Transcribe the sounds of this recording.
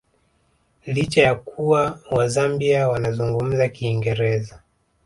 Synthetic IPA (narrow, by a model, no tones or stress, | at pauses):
lit͡ʃajakuwawazambiawanazuŋɡum̩zakiːŋɡɛɾɛza